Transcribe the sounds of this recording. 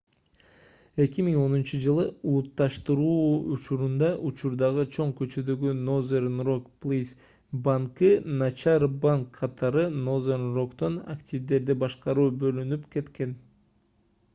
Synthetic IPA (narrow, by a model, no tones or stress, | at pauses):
e̞kimiŋo̞nunt͡ʃɯd͡ʒɯlˠɯulˠut̪ːɑʃt̪ɯɾuut͡ʃuɾund̪ɑʔut͡ʃuɾd̪ɑʁɯt͡ʃʰo̞ɴkø̞t͡ʃød̪ø̞ɡynozernrokplʲˠis | baŋkɯnɑt͡ʃɑɾbaŋkʰːɑt̪ʰɑɾɯno̞zernro̞kt̪o̞na̰ktʲivd̪e̞ɾd̪ibɑʃqɑɾuːbø̞lynypke̞t̪ke̞n